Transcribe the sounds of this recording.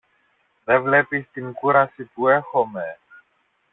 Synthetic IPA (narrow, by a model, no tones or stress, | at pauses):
ðevle̞pist̪iŋkuɾɐsipue̞xo̞me̞